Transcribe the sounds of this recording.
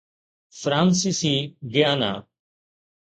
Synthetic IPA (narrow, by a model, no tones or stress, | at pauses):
fɾãːnsisiːɡɪjaːna̰ː